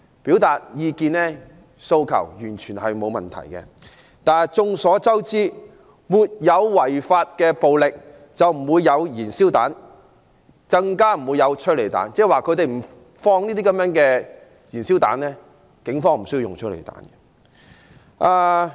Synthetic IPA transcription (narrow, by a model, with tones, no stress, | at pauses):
piː˨˥wt̪aː˨t̚jiː˨˧kiː˧nlɛ˥ | so˧wkʰɐ̰˨˩wjyː˨˩nt͡ʃʰyː˨˩nhɐ˨jmo˨˧wmɐ˨nt̪ʰɐ̰˨˩jkɛ̰˧ | t̪aː˨t͡sʊ˧ŋsɔː˨˥t͡sɐ˥wt͡siː˥ | muː˨t̚jɐ˨˧wwɐ˨˩jfaː˧t̚kɛː˧po˨wlɪ˨k̚ | t͡sɐ˨wm̩˨˩wuː˨˧jːɐ˨˧wjiː˨˩nsiː˥wt̪a̰ː˨˥n | kɐ˧ŋkaː˥m̩˨˩wuː˨˧jɐ˨˧wt͡ʃʰɵ˥t̚le˨˩jt̪a̰ː˨˥nt͡sɛː˥waː˨kʰɵ˧t̪e˨jm̩˨˩ | fɔː˧ŋniː˥t̪iː˥kɐ˨˥mjœː˨˥ŋkɛː˧ | jiː˨˩nsi˥wt̪a̰ː˨˥nlɛː˥ | kɪ˨˥ŋfɔː˥ŋm̩˨˩sɵ˥ji˧jʊ̰˨ŋt͡ʃʰɵ˥t̚lḛ˨˩jt̪a̰ː˨˥nɡɛ˧ | ʔaː˧